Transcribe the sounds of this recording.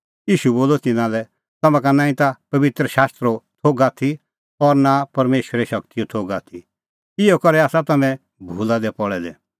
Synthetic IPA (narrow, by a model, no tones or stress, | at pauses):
jiːʃuboːlot̪ɪnãlɛ | t̪ɐmãk̬anãːĩt̪apɐbɪt̪ɾəʃaːst̪ɾot̪ʰoːɡaːt̪ʰi | ɔɾnapɐɾmeːʃəɾɛʃɐkt̪ijot̪ʰoːɡaːt̪ʰi | ɪokɔɾɛaːsat̪ɐmɛ̃ | bʱuːlad̪ɛpɔɽɛd̪ɛ̰